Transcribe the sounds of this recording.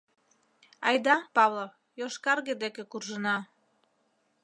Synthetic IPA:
ɑjd̪ɑpɑβlo | joʃkɑrɣed̪ekekurʒənɑ

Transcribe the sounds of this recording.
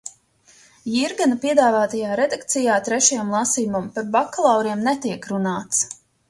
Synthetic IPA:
jiɾɡanapiɛd̪aːvaːt̪ajaːɾɛd̪akt̪sijaːt̪ɾɛʃajamlˠasijumampaɾbakːalˠawɾiɛmnɛt̪iɛkɾunaːt̪s

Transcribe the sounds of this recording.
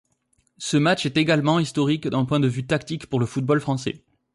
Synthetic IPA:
səmat͡ʃɛt̪eɡalmɑ̃ist̪ɔʁikd̪ɛ̃pwɛ̃d̪əvyt̪akt̪ikpuʁləfut̪̚bɔlfχɑ̃sɛ̰

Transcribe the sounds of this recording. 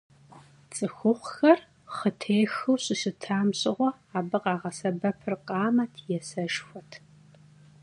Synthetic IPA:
t͡sʼɨxʷʊχʷxɐr | χətʰeːxɨwɕʼɪɕɪtʰaːmɕʼɪʁʷɔ | aːbɨqɑːʁɐsɐbɐpʰɨrqʼɑːmɐtʰjɛsɐʃxʷɔtʰ

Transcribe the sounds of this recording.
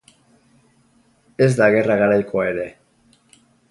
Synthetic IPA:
e̞zd̪aɣe̞raɣaɾajkʰoae̞ɾe̞

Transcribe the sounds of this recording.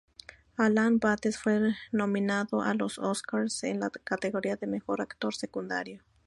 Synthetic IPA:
alanbat̪esfwenominaðoʔa̰lososkaɾsenlakat̪eɣoɾiaðemexoɾakt̪oɾsekund̪a̰ɾjo

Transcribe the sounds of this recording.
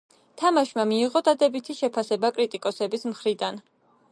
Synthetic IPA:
t̪ʰamaʃmamiːʁɔd̪ad̪ɛbit̪ʰiʃɛpʰasɛbakʼɾit̪ʼikʼɔsɛbismχɾid̪an

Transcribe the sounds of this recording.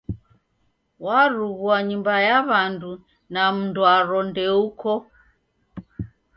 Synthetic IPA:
waɾuɣuaɲumbajaβandu | nam̩nduwaɾɔndɛukɔ

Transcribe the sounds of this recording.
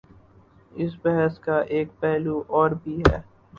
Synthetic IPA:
ɪs̬bɛɦɛskaʔeːk̚pɛːluʔɔːɾbʱiɦɛ̰ː

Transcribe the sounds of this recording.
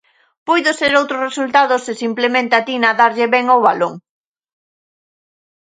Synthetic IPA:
pujðʊseɾowt̪ɾʊresult̪aðʊsɪsimplemẽnt̪at̪inaðaɾʎɪβɛŋowβaloŋ

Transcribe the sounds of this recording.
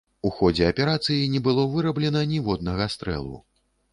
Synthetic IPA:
uxɔd͡zʲɛɐpʲɛɾat̪sɨjinʲɛbɨlˠɔvɨɾɐblʲɛnɐnʲivɔd̪nɐɣɐst̪ɾɛ̰lˠṵ

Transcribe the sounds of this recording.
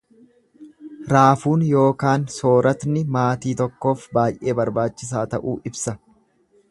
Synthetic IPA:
ɾaːfuːnjo̞ːkaːnso̞ːɾɐt̪nɪmaːt̪iːt̪ɔkːo̞ːfbaːjʔe̞ːbɐɾbaːt͡ʃːɪs̬aːt̪ɐʔuːʔɪbsɐ

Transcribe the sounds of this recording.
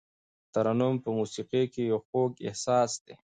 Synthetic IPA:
t̪aɾanumpəmusiqekejawxokɪ̰hsɑːsd̪e

